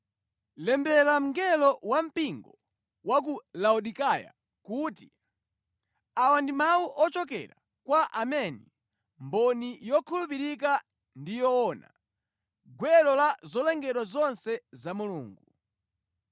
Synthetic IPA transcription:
lɛmbɛlam̩ŋɡɛlɔwam̩piŋɡɔ | wak̬ulauɗikaja̰ | kuːti | awandimawuʔɔt͡ʃɔk̬ɛ̰ɾa | kwaʔamɛnɛ | mbɔnijɔkʰulupiɾik̬a | ndijɔɔna | ɡwɛlɔlazɔlɛŋɡɛɗwazɔnsɛzamuluːŋɡu

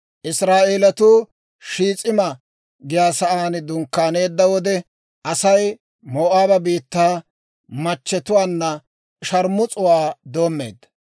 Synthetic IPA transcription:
ʔɪsɾaːʔe̞ːlɐt̪uː | ʃiːt͡sʼɪmɐ | ɡɪjaːsɐʔaːnd̪ʊŋkːaːne̞ːd̪ːɐwɔd̪ɛ | ʔɐsɐj | moːʔaːbɐbiːt̪ːaː | mɐt͡ʃːɛt̪ʊwaːnːɐ | ʃɐɾmːʊt͡sʼʊwaːd̪oːmːe̞̰ːd̪ːɐ̥

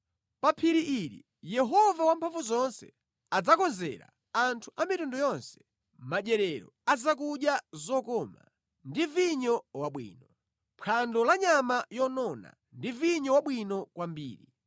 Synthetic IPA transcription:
papʰiɾiʔiɾḭ | jɛɦɔvawampʰaɱvuzɔnsɛ̰ | ad͡zakɔnzɛ̰ɾa̰ | antʰuʔamitundɔjɔnsɛ̥ | maɗɛɾɛɾɔ̰ad͡zak̬uɗjazɔkɔma̰ | ndiviɲɔwaɓwḭːnɔ | pʰandɔlaɲamajɔnɔna̰ | ndiviɲɔwaɓwinɔkwambḭːɾi

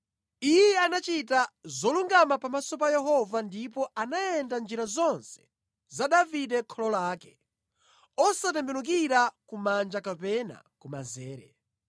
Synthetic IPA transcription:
ijɛanat͡ʃitazɔluŋɡamapamasɔp̬ajɛɦɔvandipɔanajɛndand͡ʒiɾazɔnsɛ̥ | zaɗavidɛkʰɔlɔlaːkɛ̥ | ɔsatɛmbɛnuk̬iɾakumand͡ʒakapɛna̰kuma̰zɛːɾɛ̰

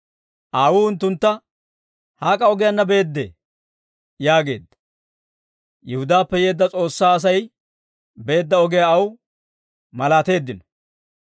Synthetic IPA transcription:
ʔaːwuːhʊnt̪ːʊnt̪ːɐ | haːkʼɐɔɡɪjɐnːɐbe̞ːd̪ːḛː | jaːɡe̞̰ːd̪ːɐ̥ | jɛhʊd̪aːpːɛje̞ːd̪ːɐt͡sʼo̞ːsːaːɐs̬ɐj | be̞ːd̪ːɐɔɡɪjaɐw | mɐlaːt̪e̞ːd̪ːɪnɔ̥

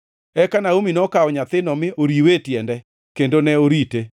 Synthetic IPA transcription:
ɛkanaominɔkaɔɲat̪ɪnɔmɪʔoɾiwetjɛndɛ | kendonɛoɾite

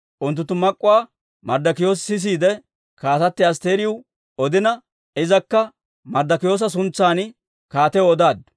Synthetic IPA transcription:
ʔʊnt̪ːʊt̪ːʊmɐkʼːʊwaː | mɐɾd̪ɐkɪjo̞ːs̬sɪs̬iːd̪ɛ | kaːt̪ɐt̪ːɪɐs̬t̪e̞ːɾɪjʊ | ɔd̪ɪnɐ | ɪzɐkːɐ | mɐɾd̪ɐkɪjo̞ːs̬ɐs̬ʊnt͡sːaːn | kaːt̪ɛoɔd̪aːd̪ʊ

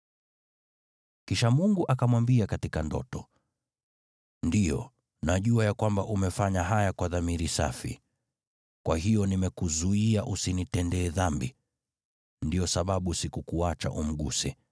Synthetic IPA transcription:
kiʃamuŋɡuʔakamwambiakatikandɔ̰tɔ | ndijɔ̰ | naʄuajakwambaʔumɛfaɲaɦajakwaðamiɾisa̰fḭ | kwaɦijɔnimɛkuzuiaʔusinitɛndɛːðambḭ | ndijɔsaɓaɓusikukuat͡ʃa̰ʔum̩ɠṵsɛ

